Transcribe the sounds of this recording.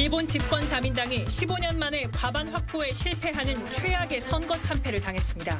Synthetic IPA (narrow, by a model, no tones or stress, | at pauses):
iɭbont͡ɕip̚k͈wʌnt͡ɕamindaŋiɕʰiboɲʌnmane̞kwabanɸwak̚p͈oe̞ɕʰiɭpʰe̞ɦanɯnt͡ɕʰwejaɡe̞sʰʌnɡʌt͡ɕʰampʰe̞ɾɯɭtaŋɦe̞s͈ɯmɲida